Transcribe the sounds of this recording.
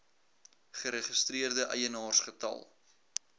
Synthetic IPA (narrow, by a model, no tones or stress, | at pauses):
χəɾəχəst̪ɾiərdəʔɐjənɑːrsχətɐ̰lˠ